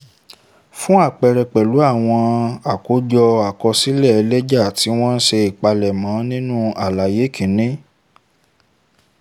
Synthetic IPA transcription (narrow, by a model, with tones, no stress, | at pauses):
fũ˦a˦˨k͡pɛ˨ɾɛ˨k͡pɛ˨lu˨˦a˦˨w̃ɔ̃˧a˨ko˨˦d͡ʒɔ˧a˨kɔ˧si˦lɛ˦˨˧lɛ˦d͡ʒa˦˨ti˨˦w̃ɔ̃˦n̩˦ʃe˧i˨k͡pa˧lɛ˨mã˨˦nĩ˦nũ˦a˨la˨je˨˦kʰĩ˨˦nĩ˦